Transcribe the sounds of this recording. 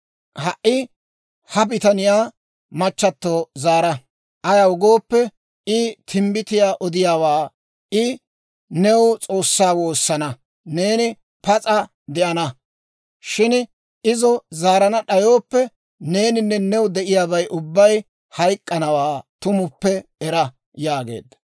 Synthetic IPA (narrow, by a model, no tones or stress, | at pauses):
hɐʔːɪ | hɐbɪt̪ɐnɪjaː | mɐt͡ʃːɐt̪ːoːzaːɾɐ | ʔɐjɐwʊɡo̞ːpːɛ | ɪt̪ʰɪmbɪt̪ɪjaːʔɔd̪ɪjaːwaː | ɪ | nɛwt͡sʼo̞ːsːaːwo̞ːsːɐnɐ | ne̞ːnɪ | pɐt͡sʼɐ | d̪ɛʔɐnɐ | ʃɪn | ɪzɔzaːɾɐnɐɗɐjo̞ːpːɛ | ne̞ːnɪnːɛnɛwd̪ɛʔɪjaːbɐjʔʊbːɐj | hɐjkʼːɐnɐwaːt̪ʊmʊpːɛɛɾɐ | jaːɡḛːd̪ːɐ